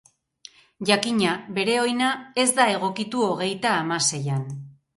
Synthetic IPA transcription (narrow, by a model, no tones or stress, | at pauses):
ʝakiɲaβe̞ɾe̞o̞jnae̞zd̪ae̞ɣ̞o̞kit̪uo̞ɣ̞e̞jt̪aːmase̞jan